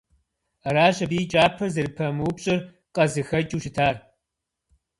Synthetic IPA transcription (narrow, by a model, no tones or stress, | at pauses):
ɐɾaːʑɐbiːt͡ʃʼaːpʰɐrzɨɾɨpʰɐmuwpɕʼɪr | qʼɐzɨxɐt͡ʃʼuːʃɪtʰaːr